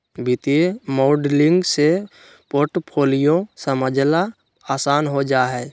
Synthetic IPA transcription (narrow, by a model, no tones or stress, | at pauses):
bɪt̪iemoːɖlɪ̃ŋɡse | poːɾʈpʰoːlijosəməd͡ʒla | aːsaːnɦod͡ʒaːɦɛː